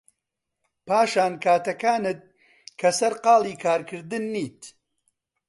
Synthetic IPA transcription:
paːʃaːnkʰaːt̪ɐkaːnɨt̪̚ | kʰɐsɐɾqɑːlˠiːkʰaːɾkʰɨɾd̪ɨnːiːt̪

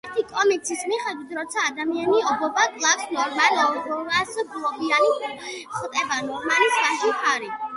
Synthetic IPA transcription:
ɛɾt̪ʰikʼɔmik̚sʰismiχɛd̪wit̪ʰɾɔt̪sʰaːd̪amianiɔbɔbakʼlˠaksnɔɾmanaɔdɔvasɡlˠɔbianiχt̪ʼɛbanɔɾmanisɡaʒiχʰaɾi

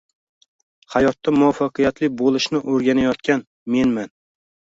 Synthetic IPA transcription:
hajɒt̪ʰːamʊwafːɑqʰɨjat̪lɪbolˠɪʃnɪʔoɾɡʲanajɒt̪kʲan | me̞nman

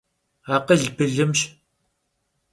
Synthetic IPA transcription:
aːqəɮbɨɮɨmɕ

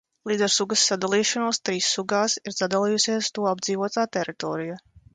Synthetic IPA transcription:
lˠiːd̪ɛɾsuɡɐsːad̪alˠiːʃɔnuɔst̪ɾiːsːuɡaːsiɾzad̪alˠiːjusʲiɛst̪uɔabdziːvuɔt̪aːt̪ɛɾit̪ɔːɾija

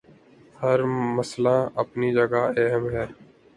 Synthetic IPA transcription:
həɾməslãːʔəpnid͡ʒəɡaːɛɦəmɦɛː

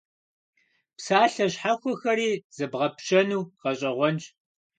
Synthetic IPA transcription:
psaːɬɐɕħaxʷɔxɐɾiːz̥ɨbʁɐpɕɐnuːqɐɕʼɐʁʷɔnt͡ʃ

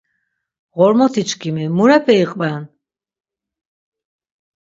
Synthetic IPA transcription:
ʁɔɾmɔt̪ʰit͡ʃʰkʰimimuɾapʰɛiqʼban

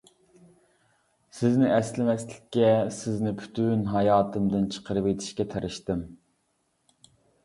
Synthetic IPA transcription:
sɪznɪʔɛslɪmɛslɪkʲːɛsɪznɪpʰy̥t̪ʰynɦɑjɑːt̪ʰɨmd̪ɨnt͡ʃʰə̥qʰəɾɨpet̪ʰɪ̥ʃkʲɛt̪ʰæɾʔɪʃt̪ɪm

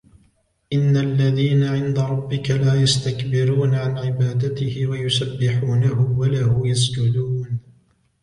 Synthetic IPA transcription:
ʔɪnːaʔlːaðiːnaʕɪnd̪aɾˤɑbːɪkalaːjast̪akbɪɾuːnʕanʕɪbaːd̪at̪ɪhɪwajʊsabːɪħuːnaɦʊwalahʊjas̬d͡ʒʊd̪uːn

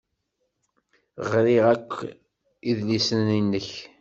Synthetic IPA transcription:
ʁɾiʁækʷː | iðlisəninːəç

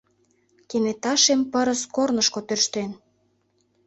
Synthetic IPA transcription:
kenet̪ɑʃempəɾəskornəʃkot̪ørʃt̪en

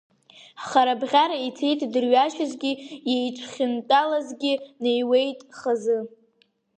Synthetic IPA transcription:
χaɾabʁʲaɾaitʰejtʼdɨrɥaʃazɡʲijejʈ͡ʂʷʰχʲɪntʼalazɡʲɪnejwe̞jtʼχazɨ

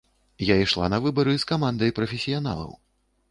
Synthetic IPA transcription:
jaiʂlˠa̰nɐvɨbɐɾɨskamand̪ɐjpɾɐfʲesʲijana̰lˠɐ̰w

